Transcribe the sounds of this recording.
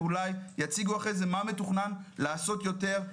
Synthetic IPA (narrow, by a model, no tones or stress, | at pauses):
ulajjat͡siɡuaχejzemametuχnanlaːso̞tjo̞teʁ